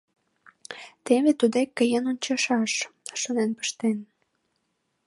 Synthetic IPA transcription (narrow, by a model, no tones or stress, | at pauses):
t̪eβet̪ud̪ekːəjənonʲt͡ɕɑʃɑʃʃunenpə̥ʃt̪en